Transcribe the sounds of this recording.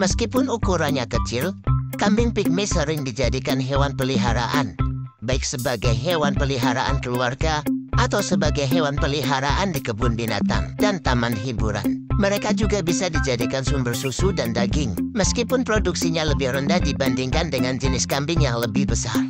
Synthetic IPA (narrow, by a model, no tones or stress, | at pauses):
məskipʊnukuɾaɲakət͡ʃɪlkambɪŋpɪk̚mɪsəɾɪŋdid͡ʒadikanɦewanpəliɦaɾa̰ʔanbaɪk̚səbaɡajɦewanpəliɦaɾaʔa̰nkəluarɡaʔat̪awsəbaɡajɦewanpəliɦaɾaʔandikəbʊnbina̰t̪a̰ŋdant̪amanɦibuɾa̰nməɾekad͡ʒuɡabisadid͡ʒadikansumbərsusudandaɡɪŋməskipʊnpɾoduksiɲaləbɪhrəndahdibandɪŋkandəŋand͡ʒənɪskambɪŋjaŋləbɪhbəsar